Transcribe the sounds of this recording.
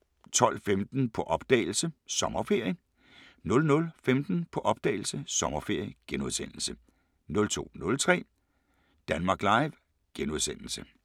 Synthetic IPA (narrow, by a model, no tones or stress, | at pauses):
t͡sʰɒ̽l̰femd̥n̩pʰɒ̽ʔɒ̽b̥d̥ɛ̰ːɪl̩səsɒ̽mɐfe̝ɐ̰jə | nɔ̽lnɔ̽lfemd̥n̩pʰɒ̽ʔɒ̽b̥̚d̥ɛ̰ɪl̩səsɒ̽mɐfe̝ɐ̰jəɡ̥enuð̞ˠsen̰l̩sə | nɔ̽lt͡sʰo̝̰ːnɔ̽lt͡sʰʁɛ̰ː | d̥ænmɑ̈ːɡ̥lɑ̈ɪʋ | ɡ̥enuð̞ˠsen̰l̩sə